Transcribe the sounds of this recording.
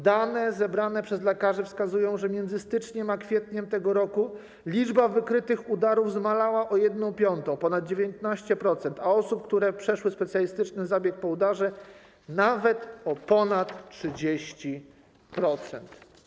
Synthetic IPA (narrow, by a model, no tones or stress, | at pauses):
d̪anɛzɛbɾanɛpʂɛzlɛkaʐɛfskazujɔ̃w̃ʐɛmʲjɛnd̪zɘst̪ɘt͡ʂɲɛmakfʲjɛt̪ɲɛmt̪ɛɡɔɾɔku | lʲid͡ʐbavɘkɾɘt̪ɘxud̪aɾuvzmalawaʔɔjɛd̪nɔ̃w̃pʲjɔnt̪ɔ̃w̃pɔnad̪̚d͡ʑevʲjent̪naɕt͡ɕɛpɾɔt̪sɛnt̪aɔsup̚kt̪uɾɛpʂɛʂwɘspɛt̪sʲjalʲist̪ɘt͡ʂnɘzabʲjɛk̚pɔud̪aʐɛ | navɛt̪ɔpɔnat̪ʂɘd͡ʑeɕt͡ɕi | pɾɔt̪sɛnt̪